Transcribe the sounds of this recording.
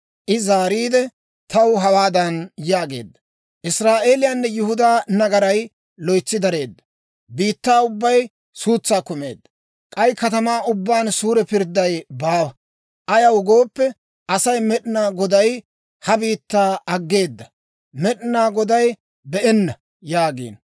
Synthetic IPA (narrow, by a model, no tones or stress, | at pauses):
ʔɪzaːɾiːd̪ɛ | t̪ɐwɦɐwaːd̪ɐnjaːɡe̞̰ːd̪ːɐ̥ | ʔɪsɾaːʔe̞ːlɪjanːɛjʊhʊd̪aːnɐɡɐɾɐj | lɔjt͡sːɪd̪ɐɾe̞ːd̪ːɐ̥ | biːt̪ːaːʊbːɐj | suːt͡sːaːkʊme̞̰ːd̪ːɐ | kʼɐjkɐt̪ɐmaːʔʊbːaːnsuːɾɛpɪɾd̪ːɐjbaːwɐ | ʔɐjɐwɡo̞ːpːɛ | ʔɐsɐjmɛɗɪnaːɡɔd̪ɐj | hɐbiːt̪ːaːɐɡːe̞ːd̪ːɐ | mɛɗɪnaːɡɔd̪ɐj | bɛʔɛnːɐ | jaːɡḭːn